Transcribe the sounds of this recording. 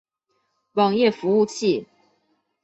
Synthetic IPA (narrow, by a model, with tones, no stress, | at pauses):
wɑ˨˩ŋjɛ˥˨fu˧˦u˥˧t͡ɕʰi˥˩